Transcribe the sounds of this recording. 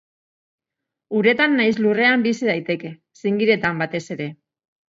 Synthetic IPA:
uɾe̞t̪anːajslure̞ambisiðajt̪e̞ke̞ | siŋɡiɾe̞t̪ambat̪e̞se̞ɾe̞

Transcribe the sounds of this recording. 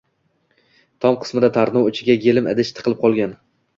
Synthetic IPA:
t̪ʰɒmqʰɨ̥smɪd̪at̪ʰaɾnɒwʊt͡ʃʰɪɡʲajelɪma̰d̪ɪʃt̪ʰɨ̥qʰɨlˠɪp̚qʰɒlˠɡʲan

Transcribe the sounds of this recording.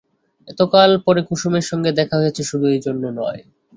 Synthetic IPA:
ɛt̪okalpɔɾekuʃumeɾʃɔŋɡed̪ɛkʰaɦojet͡ɕʰeʃud̪ʱuejd͡ʑonːonɔ̰e

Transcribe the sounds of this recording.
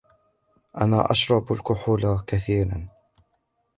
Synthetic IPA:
ʔa̰naːʔaʃɾˤɑbalkʊħuːlakaθiːɾa̰n

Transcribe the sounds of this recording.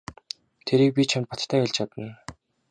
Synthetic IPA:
t̪ʰeɾiːk̚pʲit͡ɕʰam̚pɔt̪t̪ʰæːxʊɮt͡ɕʰat̪ə̆n

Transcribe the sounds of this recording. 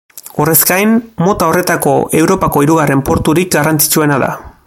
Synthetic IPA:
ore̞skajnmo̞t̪ao̞re̞t̪ako̞e̞wɾo̞pako̞iɾuɣare̞mpo̞ɾt̪uɾik̚ɡarant͡si̥t͡sue̞naða̰

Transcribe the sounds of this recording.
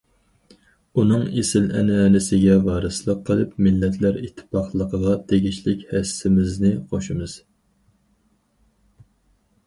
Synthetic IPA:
unɨŋesɪlɛ̰nɛnɪsɪɡʲɛvɑːɾɨslˠəqʰːəlˠɨpmɪlːɛt̪ʰlæɾit̪ʰːɪ̥pɑχlˠəqʰəʁɑt̪ʰeɡʲiʃlɪkʲhɛsːɪmɪznɪχʰoʃɨmɨz̥

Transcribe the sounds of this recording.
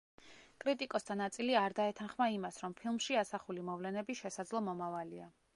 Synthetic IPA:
kʼɾit̪ʼikʼɔst̪ʰanat̪sʼiliaɾd̪aɛt̪ʰanχmaimasɾɔmpʰilˠmʃiasaχulimɔvlɛnɛbiʃɛsad̪zlˠɔmɔmavalia

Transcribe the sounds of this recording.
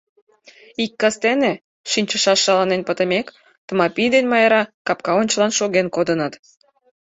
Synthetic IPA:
ikːɑst̪ene | ʃinʲt͡ɕəʃɑʃːɑlɑnenpət̪ə̆mek | t̪ə̆mɑpʲijd̪enmɑjeɾɑkɑpkɑonʲt͡ɕəlɑnʃoɣenkod̪ənət̪

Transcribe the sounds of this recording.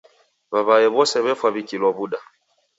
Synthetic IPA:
βaβaɛβɔsɛβɛfwaβikilwɔβuɗa

